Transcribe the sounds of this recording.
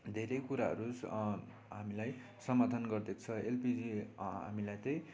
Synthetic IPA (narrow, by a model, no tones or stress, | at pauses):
d̪ʱeɾʌjkuɾaɦʌ̰ɾus | ɦamilaj | sʌmad̪ʱʌnɡʌrd̪ekt͡sʰʌelpid͡zia̰milajt̪ʌj̃